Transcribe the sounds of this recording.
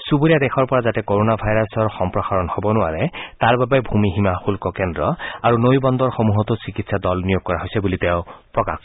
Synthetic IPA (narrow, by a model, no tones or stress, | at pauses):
suboijadɛxɔɹpɔɹazatɛkoɹonabʱajɹasɔɹxɔmpɹɔxaɹɔnhɔbɔnʊa̰ɹɛtaɹbabɛbʱumiɦimaxulkɔkɛndɹɔaɹunojbɔnd̪ɔɹxomuɦɔt̪ʊsikitsadɔlnijoɡ̚kːɔɹaɦojsɛbuliteʊ̃pɹɔka̰x